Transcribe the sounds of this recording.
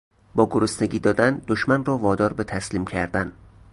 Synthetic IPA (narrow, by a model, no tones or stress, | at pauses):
bɒːɡoɾosneɟʲiːd̪ɒːd̪ænd̪oʃmænrɔːvɒːd̪ɒːɾbet̪ʰæsliːmcʰæɾd̪æn